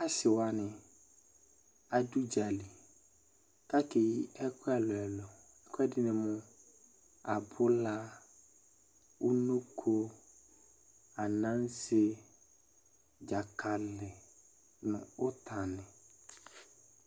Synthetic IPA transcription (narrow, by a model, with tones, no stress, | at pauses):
a˨sɪ˨wa˨nɪ̃˨ | a˨du˦d͡ʒa˨li˨ | ka˦ke˨ji˦ɛ˦kʊ˦ɛ˨lɔ˨ɛ˨lɔ˨ | ɛ˦kʰɛ˦dɪ˦nɪ̃˨mʊ̃˦ | a˨bʊ˦la˦ | u˦nu˦kʰo˦ | a˨nã˦n˦se˦ | d͡ʒa˨kʰa˨lɪ˨ | nʊ̰̃˨ʊ˦t̪ʰa˨nɪ̃˨